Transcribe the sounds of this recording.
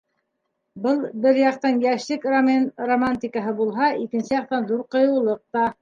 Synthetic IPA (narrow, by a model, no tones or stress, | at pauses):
bɤlˠbɘɾjɑq̚t̪ɑnjæʃlɘkromanromanʲt̪ʲikəɦɤbulˠɦɑikɘ̆nsɘjɑq̚t̪ɑnðuɾqŏjɤ̆wlˠɤq̚t̪ɑ